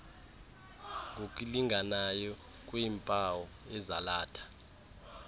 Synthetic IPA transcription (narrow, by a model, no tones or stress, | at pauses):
ŋɡʱokʼiliŋɡʱanajɔ | k̬ʼwiːmpʼawɔ | ɛzalaːtʰḁ